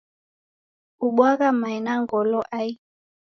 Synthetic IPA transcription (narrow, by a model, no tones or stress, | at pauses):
uɓwaɣamainaŋɡɔlɔʔai